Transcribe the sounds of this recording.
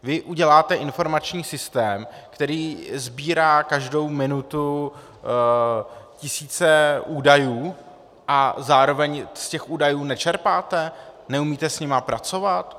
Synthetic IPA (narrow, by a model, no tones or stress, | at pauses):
vɪʔuɟɛlaːt̪ɛʔɪnfo̞ɾmat͡ʃɲiːsɪst̪ɛːmkt̪ɛɾiːzbiːɾaːkaʒdo̞wmɪnut̪u | cɪsiːt͡sɛʔuːdajuː | ʔazaːɾo̞vɛɲscɛxʔuːdajuːnɛt͡ʃɛɾpaːt̪ɛnɛumiːt̪ɛsɲɪmapɾat͡so̞vat̪